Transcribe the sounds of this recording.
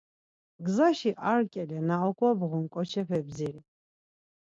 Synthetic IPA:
ɡzaʃiʔarkʼɛlɛnaɔkʼɔbʁɔnkʼɔt͡ʃʰɛɸɛbziɾi

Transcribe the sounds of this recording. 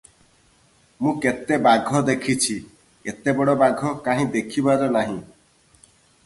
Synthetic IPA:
mũket̪ebaɡʱɔd̪ekʰit͡ʃʰi | et̪ebɔɽɔbaɡʱɔkaɦĩd̪ekʰibaɾɔnaɦĩ

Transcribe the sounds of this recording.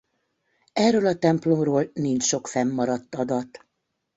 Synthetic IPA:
ɛrːøːlɒt̪ɛmplomroːlnint͡ʃʃo̞kfɛmːɒɾɒt̪ːɒd̪ɒt̪

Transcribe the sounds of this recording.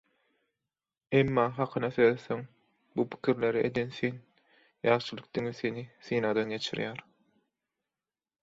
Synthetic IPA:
emːɑːɦɑqʰɯnɑθøðθeŋ | bupʰi̥kʰʲiɾle̞ɾiʔḛd̪e̞nθen | jɑːʃɯlˠɯk̚d̪̥iŋiθeniθiːnɑd̪ɑnɡe̞t͡ʃʰḭɾjæːɾ

